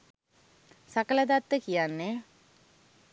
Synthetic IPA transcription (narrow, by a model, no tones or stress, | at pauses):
sakələd̪at̪ːəkijanːe